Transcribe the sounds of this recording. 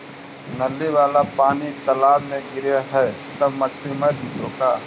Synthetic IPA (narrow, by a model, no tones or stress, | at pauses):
nɐlːiʋaːlapaːnit̪ɐlaːbmẽɡɪɾjaɦɛːt̪ɐbmɐt͡ʃʰlimɐɾbʱit̪oːkaː